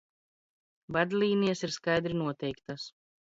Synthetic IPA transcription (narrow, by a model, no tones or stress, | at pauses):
vad̪ʲlʲiːnʲijasiɾskajd̪ɾinuɔt̪ʲɛjkt̪as